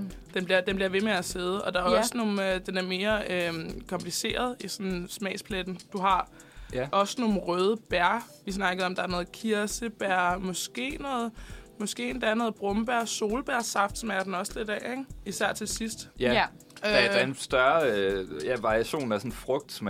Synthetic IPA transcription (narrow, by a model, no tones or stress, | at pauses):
d̥enb̥liɐd̥enb̥liɐʋe̝meæseð̞ˠəʔɒ̽d̥ɑ̈æɐɒ̽snoːnd̥enæɐme̝ːɐøkʰɒ̽mpʰlise̝̰ːɐð̞ˠisɒ̽nsmɛ̰ːspʰled̥n̩d̥uɦɑ̈ | ʔɒ̽sno̝ːn̩ʁœːð̞ˠəb̥æɐ̰ | ʋisnɑ̈ɡ̥əðˠɒ̽md̥ɑ̈æɐnɔ̽ːð̩ˠkʰiɐsəb̥æɐ̰mɒ̽sɡ̥e̝̰ːnɔ̽ːð̩ˠmɒsɡ̥e̝̰nd̥ɑæɐnɔ̽ːð̩ˠb̥ʁɔ̽mb̥æɐ̰so̝ːləb̥æɐsɑ̈fd̥smæɐɐd̥n̩ɒ̽sl̥ed̥ɛ̰eŋ̥isæɐ̰t͡sʰe̝lsisd̥ | ø̥densd̥ɶɐøjæʋɑ̈ʁiæɕo̝̰ːnæsɔnfʁɔɡ̥̚d̥sm